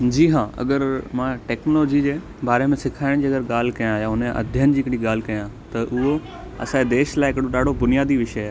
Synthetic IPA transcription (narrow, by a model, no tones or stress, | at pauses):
d͡ʑiːɦãːɐ̰ɡəɾmãʈeːknolːd͡ʑid͡ʑeː | baːɾemẽsɪkʰaːɪɽ̃d͡ʑiːɐɡəɾɠaːl̤ɪkɐjãjãʊneʔɐ̰d̪ʱjənɪ̆d͡ʑiːɪkɪɽ̃iɠaːl̤ɪkɐjã | t̪ɐʔʊɦo | ɐ̰sãːed̪eːʃlaːɪɪkɽoɗaːɖ̤ʱobʊnijaːd̪iʋɪʃəaː